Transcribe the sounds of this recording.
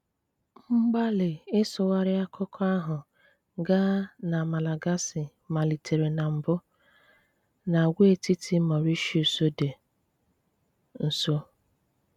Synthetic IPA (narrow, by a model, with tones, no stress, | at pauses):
ŋ͡m̩˦ɡ͡ba˦lɪ˨ɪ˦sʊ˨wa˦ɾɪ˦a˦kʊ˦kʰɔ˦a˦ɦʊ˨ | ɡa˦na˨ma˨la˨ɡa˦sɪ˨ | ma˨li˨tʰe˨ɾe˨na˨m̩˨bʊ˦ | na˨ɡʷe˦e˦˨ti˦tʰi˦mɔ˨ɾi˦ʃi˦o˨so˦de˨ | n̩˨so˦